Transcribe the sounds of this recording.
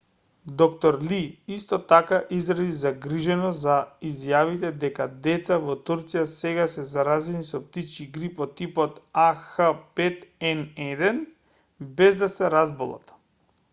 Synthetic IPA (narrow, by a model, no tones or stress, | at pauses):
d̪ɔkt̪ɔɾliist̪ɔt̪akaʔizɾad̪izaɡɾiʒɛnɔzaizjavit̪ɛd̪ɛkad̪ɛt̪savɔt̪uɾt̪sijasɛɡasɛzaɾazɛnisɔp̚t̪it͡ʃkiɡɾipɔt̪ipɔt̪axapɛt̪ɛnɛd̪ɛn | bɛzd̪asɛɾazbɔlˠa̰t̪